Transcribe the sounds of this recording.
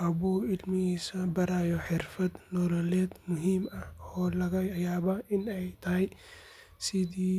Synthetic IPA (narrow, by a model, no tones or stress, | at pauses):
ʔɐbuɪlmɪisɐbɐɾaːjɔħɪrfɐd̪nɔlɔlɛːd̪mʊɦiːmɐhɔːlɐɣɐjaːβaʔɪnɛjt̪ʰɐɦɛj | sɪðiː